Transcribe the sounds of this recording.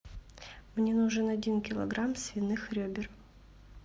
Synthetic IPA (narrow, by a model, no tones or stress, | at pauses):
mnʲenuʐɨnɐdʲinkʲɪlˠɐ̰ɡɾamsʲvʲɪnːɨxɾʲɵbʲɪr